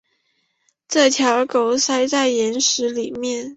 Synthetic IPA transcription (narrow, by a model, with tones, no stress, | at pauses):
ʈ͡ʂɤ˥˩t̪ʰjɑ˧˥ʊko˧˥ʊsa˥ɪt͡sa˥˩ɪjɛ˧˥nʂɻ̩˧˥li˨˩mjɛ˥˩n